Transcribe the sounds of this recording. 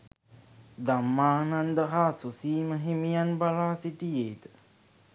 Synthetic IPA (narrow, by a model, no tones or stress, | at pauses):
d̪amːaːnand̪əɦaːsusiːməɦemijanbalaːsiʈijeːd̪ə̥